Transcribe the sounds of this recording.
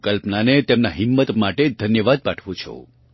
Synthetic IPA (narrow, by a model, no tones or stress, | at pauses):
kəlpnanet̪emnaɦɪmːət̪maʈed̪ʱənjəʋad̪̚paʈʰʋũt͡ʃʰo̰